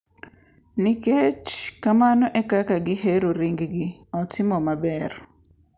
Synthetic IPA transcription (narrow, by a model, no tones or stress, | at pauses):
nɪket͡ʃkamanɔʔɛkakaɡɪheɾoɾiŋɡɡɪɔtʰɪmɔmabɛr